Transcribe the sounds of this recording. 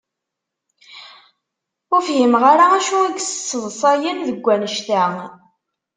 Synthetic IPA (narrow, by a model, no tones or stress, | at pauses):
ʊfhimʁaɾaæʃuæɡsə̥t͡sːəðˤsˤɑjənðəɡʷːænəʃt̪æ